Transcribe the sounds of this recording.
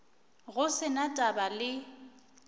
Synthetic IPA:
ɣʊsɪnatʼabalɪ

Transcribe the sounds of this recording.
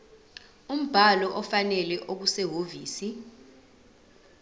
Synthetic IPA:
um̩b̥ʱalɔʔɔfanɛlɛʔok̬usɛɦoviːsi

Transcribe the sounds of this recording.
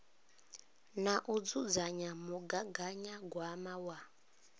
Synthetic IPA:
naʔud͡zud͡zaɲamuɡaɡaɲaɡwamawa

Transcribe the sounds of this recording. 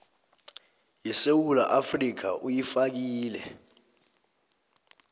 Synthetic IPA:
jɛsewula̰ʔafrik̬ʰa̰ʔujifak̬iːlɛ̰

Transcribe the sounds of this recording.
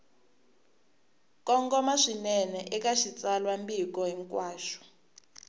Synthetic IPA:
kʼɔŋɡɔmaʂinɛnɛʔɛk̬ʼaʃit͡salwambik̬ʼɔɛŋkʼwaːʃɔ̥

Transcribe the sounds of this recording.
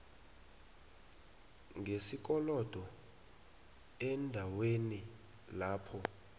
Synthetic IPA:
ŋesik̬ʼɔlɔd̥ʱɔ | ɛndʱaweni | laːpʰɔ

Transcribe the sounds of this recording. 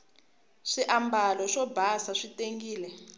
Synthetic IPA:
ʂiʔambalɔʂɔbʱasaʂiteŋɡiːlɛ

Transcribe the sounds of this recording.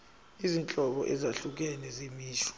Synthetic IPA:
izint͡ɬʼɔɓɔ̰ʔɛzaɬuk̬ɛnɛzemiːʃɔ̥

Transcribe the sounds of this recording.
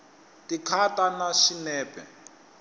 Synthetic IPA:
tikʰatanaʃinɛːpɛ̰

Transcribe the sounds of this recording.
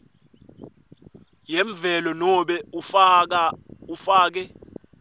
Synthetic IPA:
jɛɱb̪vɛlɔnɔɓɛ | ufaːk̬ɛ

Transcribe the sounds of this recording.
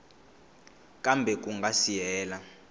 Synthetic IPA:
kʼambʱɛk̬uŋɡʱasijɛːla

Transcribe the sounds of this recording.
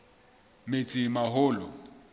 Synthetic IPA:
met͡sʼɪmaɦʊːlɔ

